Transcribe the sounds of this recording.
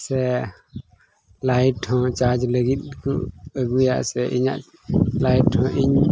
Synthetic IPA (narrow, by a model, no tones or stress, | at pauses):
sɛ | lajʈʰhɔ̃t͡ʃad͡ʒləɡit̪̚kṵəɡuja̰ʔsɛʔiɲa̰ʔ | lajʈʰhɔ̃ʔiɲ